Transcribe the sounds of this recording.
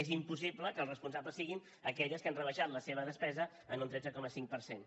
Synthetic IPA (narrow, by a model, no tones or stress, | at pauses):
ezimpus̬ipləkəːlˠzrəspunsapləsːiɣin | əkɛʎəskanrəβəʃat̪ləseβ̞əðəspɛzə | ənunt̪ɾɛd͡zəkɔməsiŋk̚pəɾsen